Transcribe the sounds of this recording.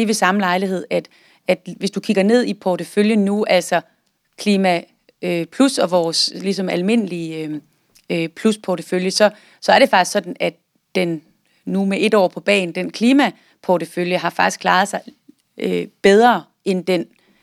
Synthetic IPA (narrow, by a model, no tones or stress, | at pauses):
iʋe̝sɑ̈məlɑ̈ɪliɦe̝ð̞̰ˠæd̥ | æd̥ʋe̝sd̥ukʰiɡ̥ɐne̝ð̰ˠipʰɒɾəføljənuʔæl̰sɒ̽ | kʰliːmæ | øpʰlusɒ̽ʋɒːslis̬ɒ̽mælme̝n̰əli | øpʰluspʰɒɾəføljəsɒ̽ | sɒ̽æɐɾ̥e̝fɑ̈ɡ̥isɡ̥sɒ̽d̥n̩æd̥ | d̥enː | umeʔe̝dɒ̰ːpʰɒ̽b̥ɛ̰ːn̩d̥enkʰliːmæ | pʰɒɾəføljəɦɑ̈fɑ̈ɡ̥isɡ̥kʰlɑ̈ːð̞̩ˠsɑ̈ɪ | øb̥eð̞ˠʁɐː | end̥en